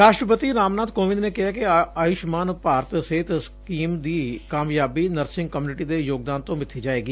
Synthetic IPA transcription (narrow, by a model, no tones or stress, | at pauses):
ɾaːʃʈɾəpət̪iːɾaːmnaːd̪koːʋɪ̃d̪neːkɪɦaːkɪaːjʊʃmaːnpaːɾət̪seːt̪skiːmd̪iːkaːmjaːbiːnəɾsɪ̃ŋɡ̚kmjuːnɪʈiːd̪eːjoːɡ̚d̪aːnt̪õːmɪt̪ʰːiːd͡ʒaːeːɡiː